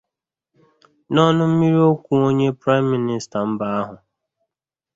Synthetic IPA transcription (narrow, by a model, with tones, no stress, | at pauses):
nɔ˦nʊ˦m̩˦mi˦ɾi˦o˦kʷu˨o˦ɲe˦pɾa˦ɪ˦m̩ː˦i˦nɪ˨sta˨m̩˦ba˨a˦ɦʊ˨